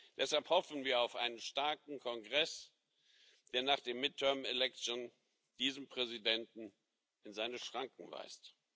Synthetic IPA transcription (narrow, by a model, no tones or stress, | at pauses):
d̥ɛshalphɔfn̩viːɐaʊfʔa̰ɪnənʃtaɐkŋ̩kʰɔnɡʁɛs | d̥eːɐnaːχd̥eːmɪtʰːœɐmelɛk̚t͡sjon | d̥iːzəmpʁ̥ɛzidɛntn̩ | ɪnzaɪnəʃʁ̥aŋk̚ŋ̩va̰ɪst